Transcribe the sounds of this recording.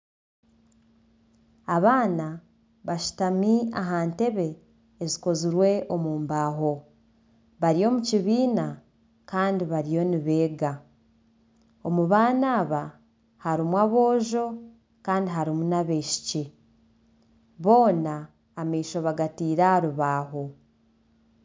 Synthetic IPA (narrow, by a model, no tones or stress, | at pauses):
aβaːna | βaʃu̥tamiaɦaːnte̞βe̞ː | ziko̞ziɾwe̞ʔo̞muːmbaːɦo̞ | βaɾio̞ːmuciβiːna | kaːndiβaɾijo̞niβe̞ːɡa | o̞muβaːnaːβa | haɾimwaβo̞ːʒo̞ | kaːndiɦaɾimunaβeːʃi̥ci | βo̞ːnaː | miːʃoβaɡatiːɾaaɾuβaːɦo̞